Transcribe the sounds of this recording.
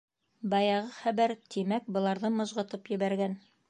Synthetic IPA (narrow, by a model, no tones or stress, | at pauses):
bɑjɑʁɤχæbæɾt̪ʰimæk̚bɤ̆lˠɑɾðɤmɤ̆zʁɤ̆t̪ɤpjɘ̆βæɾɡæn